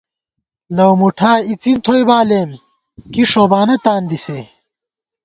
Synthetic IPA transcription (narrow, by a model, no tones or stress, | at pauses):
lɐwmuʈʰaːit͡sint̪ʰojbaːleːm | kiʂoːbaːnɐt̪aːnd̪ise